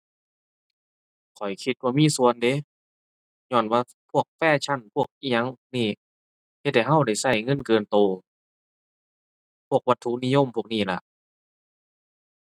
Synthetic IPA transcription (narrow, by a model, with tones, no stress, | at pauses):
kʰɔ˨˩jkʰi˧˦t̪̚waː˧miː˧˥˨su˧˨ənde˧˦ | ɲɔː˧˩nwaː˧ | pʰu˧˥˩ək̚fɛː˧˥˩t͡ɕʰa˧˥˨npʰu˧˩ək̚ʔiː˧˨ɲa˧˥ŋniː˧˩ | he˧t̪̚ha˧˩ɦa˧˥˨wda˧˩jsa˧˩jŋɤ˧˥˨nkɤː˧nt̪oː˧ | pʰu˧˩ək̚wa˧t̪ʰːu˧˥˨ni˧˥jo˧˥˨mpʰu˧˩ək̚niː˧˩˨la̰˧ʔ